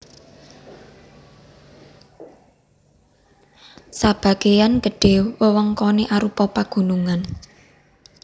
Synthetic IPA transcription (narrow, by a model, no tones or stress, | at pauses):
sab̥a̤ɡ̥ejanɡ̥ə̤ɖ̥e̤wwəwəŋkɔneʔaɾupɔpaɡ̥ṳnuŋan